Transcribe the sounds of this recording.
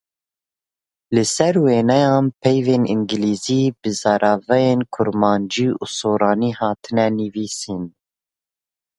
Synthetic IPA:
lɨsɛɾweːnɛjɑːnpʰɛjveːnḭŋɡɨliːziːbɨzɑɾɑːvɛjeːnkʰʊɾmɑːnd͡ʒiːṵːsoːɾɑːniːhɑːt̪ʰɨnɛnɨviːsin

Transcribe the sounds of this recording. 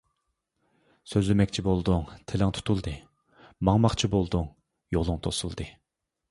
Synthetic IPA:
søzlɪmɛkʲt͡ʃʰibolˠd̪uŋt̪ʰelɪŋt̪ʰu̥t̪ʰulˠd̪ɨ | mɑŋmɑχt͡ʃʰibolˠd̪uŋ | jolˠuŋt̪ʰosṵlˠd̪ɨ

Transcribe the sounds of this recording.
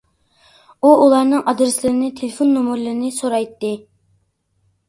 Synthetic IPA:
uʔulˠɑɾnɨŋʔɑd̪ɾɨslɪɾɪnɪt̪ʰelɪfonːomuɾlɨɾnɪsoɾɑjt̪ːɨ

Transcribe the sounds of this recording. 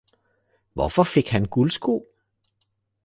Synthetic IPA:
ʋɒfɒ̽fe̝ɡ̥hænɡ̥ulsɡ̥o̝̰ː

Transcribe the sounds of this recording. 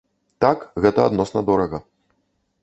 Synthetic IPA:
t̪akɣɛt̪ɐa̰d̪nɔsnɐd̪ɔɾɐɣɐ

